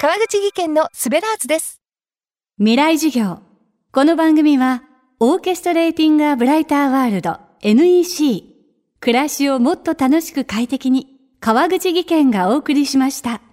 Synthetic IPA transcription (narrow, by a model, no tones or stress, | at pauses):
kaβaɡɯ̟t͡ɕiɡʲikẽ̞nːo̞sɨbe̞ɾaːzɨd̪e̞sɨ̥ | mʲiɾaiʑiɡʲo̞ː | ko̞no̞bãŋɡɯ̟mʲiβa | o̞ːke̞sɨ̥t̪o̞ɾe̞ːt̪ʲĩŋɡɯaːbɯ̟ɾait̪aːβaːɾɯ̟d̪o̞̰ | e̞nɯ̟iɕiː | kɯ̟ɾaɕio̞mo̞t̪ːo̞t̪ano̞ɕi̥kɯ̟kait̪e̞kʲiɲ̟i | kaβaɡɯ̟t͡ɕiɡʲikẽ̞ŋɡao̞ːkɯ̟ɾʲiɕimaɕi̥t̪a